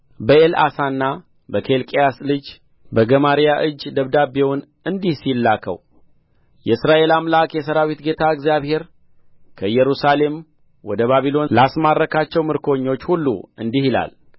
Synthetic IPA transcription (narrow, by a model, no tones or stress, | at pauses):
bəela̰sanːa | bəkʰe̞lkʼejaslɨd͡ʒ | bəɡəmaɾijaʔɨd͡ʒːd̪əβd̪abewn | ɨnd̪ihsilːakʰə̰w | jɛsɾaʔe̞lamlakʼjɛs̬əɾawit̪ɡe̞t̪ʰaɨɡzjaβhe̞ɾ | kʰəjɛɾusale̞m | wɔd̪əβaβilo̞nlasmarːəkʰat͡ʃːɛwmɨɾkʰo̞ɲːo̞t͡ʃːhulːṵɨnd̪ihila̰l